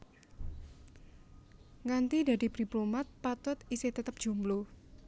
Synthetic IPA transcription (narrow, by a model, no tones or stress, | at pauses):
ŋant̪id̪a̤di̤pɾiplomat̪̚pat̪ʊt̪iseht̪ət̪əp̚ʒ̥ṳmlu